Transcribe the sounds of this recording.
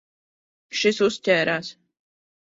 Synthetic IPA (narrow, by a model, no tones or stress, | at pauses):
ʃisustʲɛːɾaːs